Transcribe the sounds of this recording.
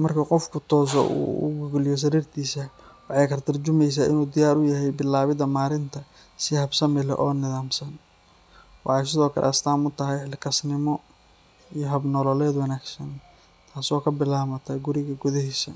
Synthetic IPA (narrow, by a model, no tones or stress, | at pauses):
mɐrkʰɐqɔfkʰʊt̪ʰɔːs̬ɔ̰ʔṵːʊ̰ɡʊɡlɪjɔs̬ɐɾiːrt̪ʰiːsɐwɑħɑjkʰɐrt̪ʰɐrt͡ʃʊmɛjs̬aːʔɪnuːd̪ɪjaːɾʊjɐɦɛjbɪlaːβɪðɐmaːɾɪnt̪ʰɐ | sɪhɐbsɐmɪlɛ̰ʔɔːnɪðaːmsɐn | wɑ̰ħɑjs̬ɪðɔːkʰɐ̰lʔɛ̰ɐst̪ʰaːmʊt̪ʰɐɦɛjħɪlkʰɐsnɪmɔ | ijɔɦɐbnɔlɔlɛːd̪wɑnaːɡsɐn | t̪ʰaːsɔːkʰɐbɪlaːmɐt̪ʰɐɡʊɾɪɣɐɡʊðɛhɛsɐ̰